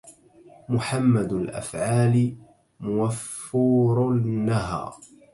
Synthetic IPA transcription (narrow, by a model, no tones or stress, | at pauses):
mʊħamːad̪lʔa̰fʕaːlɪ | mʊwafːʊɾnːaɦɑ̰ː